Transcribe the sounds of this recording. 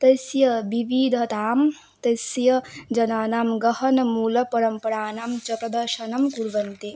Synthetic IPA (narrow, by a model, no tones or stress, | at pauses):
t̪ɐsjɐbiʋid̪ʱɐt̪aːm | t̪ɐsjɐd͡ʒɐnaːnaːmɡɐɦɐnɐmuːlɐpɐɾɐmpɐɾaːnaːmt͡ʃɐkɐd̪ɐɾʃɐnɐmkuɾʋɐnt̪i